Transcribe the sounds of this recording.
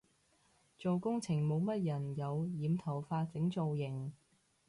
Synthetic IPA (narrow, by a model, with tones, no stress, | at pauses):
t͡so˨wkʊ˥ŋt͡sʰɪ˨˩ŋmo˨˧wmɐ˥t̚jɐ˨˩njɐ˨˧wjiː˨˧mt̪ʰɐ˨˩wfaː˧t͡sɪ˨˥ŋt͡so˨wjɪ˨˩ŋ